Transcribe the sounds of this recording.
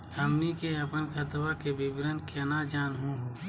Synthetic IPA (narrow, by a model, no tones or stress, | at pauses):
əmnikeɐpənkʰət̪wakebɪbɾənkʰenad͡ʒaːnɦũɦoː